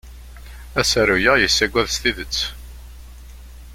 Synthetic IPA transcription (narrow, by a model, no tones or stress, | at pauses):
æsæɾujəjəsːæɡʷːæðst̪iðət͡sː